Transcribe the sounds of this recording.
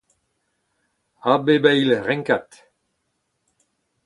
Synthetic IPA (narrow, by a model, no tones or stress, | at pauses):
abebɛjlʁɛŋkat̪